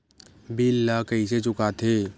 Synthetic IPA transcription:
bilːakɐiset͡ʃʊkat̪ʰeː

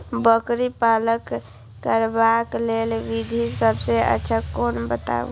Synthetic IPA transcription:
bəkɾipaləkː | əɾbaklelʋid̪ʱisəbseə̰tːʃʰakonbət̪a̰ṵ

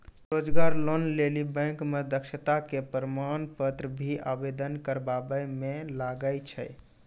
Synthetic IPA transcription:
ɾod͡ʒɡaɾlonlelibɛ̃ŋkmed̪əkʃət̪akepəɾmanpət̪ɾəbʱiabed̪ənkəɾbabəjmelaɡət͡ʃʰəj

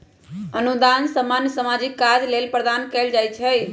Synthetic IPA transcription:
ənud̪ansəmanjəsəmad͡ʒikːad͡ʒlelpɾəd̪ankɛld͡ʒajt͡ʃʰɛj

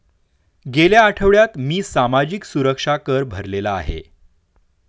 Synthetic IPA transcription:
ɡeljaːʈʰəʋɭjat̪miːsamad͡ʑiksuɾəkʂakəɾbʱəɾlela̰ːɦḛ

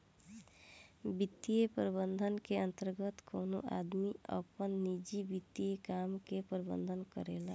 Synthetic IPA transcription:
bɪt̪ːijepɾbənd̪ʱənkeə̃nt̪əɾɡət̪koːno̰ʔa̰ːd̪miə̰pənːiːd͡ʒibɪt̪ːiekaːmkepɾbə̰̃nd̪ʱənkəɾeːlaː

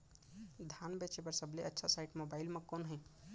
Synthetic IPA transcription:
d̪ʱaːnbet͡ʃepəɾsəbleʔətːʃʰasaɪʈmoːbaːɪlmẽkoːnɦɛ̃

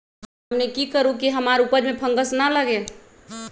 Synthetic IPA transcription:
ɦəmnekikəɾũkiɦəmaɾupəɾmẽpʰəŋɡəsnaləɡe

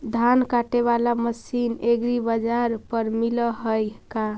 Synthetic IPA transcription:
d̪ʱankaʈeβalaməsineɡɾibəd͡ʒaɾpəɾmiləɦəjka

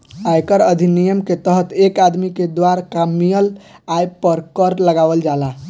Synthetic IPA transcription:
ajkəɾəd̪ʱinijəmket̪əɦət̪ekad̪miked̪waɾakamijəlajpəɾkəɾləɡaʋəld͡ʒala

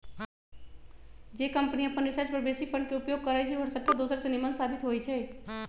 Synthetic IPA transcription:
d͡ʒekəmpniəpənɾɪsəɾt͡ʃpəɾbesipʰəɳɖkeupjoɡ̚kəɾajt͡ʃʰɛɦəɽsəʈ̪ːad̪oːsəɾsenimənsaːbɪt̪ɦojt͡ʃʰɛː

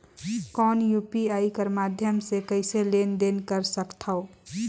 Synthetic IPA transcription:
kɔːnjupiaːikəɾmaːd̪ʱjəmsekəɪseleːnd̪enkəɾsəkt̪ʰao

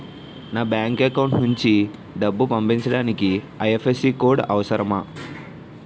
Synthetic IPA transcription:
naːbjaːŋkekɐwuɳʈnuɲt͡ʃi | ɖɐbːupɐmpiɲt͡ʃɐɽaːniki | ɐjepʰesikoːɾɖɐʋɐsɐɾɐmɐ

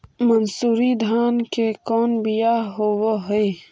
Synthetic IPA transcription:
mɐnsuːɾid̪ʱaːnkekɔːnbijaɦowoɦe

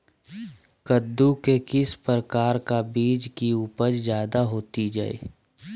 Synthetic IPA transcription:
kəd̪ːukekɪspɾəkaːɾkabiːd͡ʒkiuːpəɾzjaːd̪aɦoːt̪id͡ʒa̰ːḛː

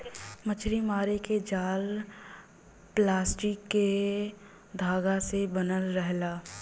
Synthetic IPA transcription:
mət͡ʃʰɾimaːɾeked͡ʒaːl | plaːsʈɪkːe | d̪ʱaːɡasebənəlɾɛɦlaː

